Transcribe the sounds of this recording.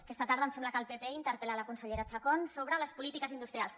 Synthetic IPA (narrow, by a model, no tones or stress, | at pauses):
kɛst̪ət̪aɾðəmsɛmbləkəlˠpepeint̪əɾpelaləkunsəʎeɾat͡ʃakonsoβɾələspulit̪ikəzind̪ust̪ɾialˠs